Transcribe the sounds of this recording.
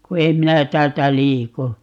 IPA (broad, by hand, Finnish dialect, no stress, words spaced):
ku em minæ tæːltæ liːku